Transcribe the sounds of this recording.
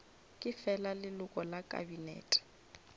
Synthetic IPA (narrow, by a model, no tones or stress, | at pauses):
kʼɪfɛlalɪlʊkʼɔlakʼa̰binɛ̰ːtʼɛ̥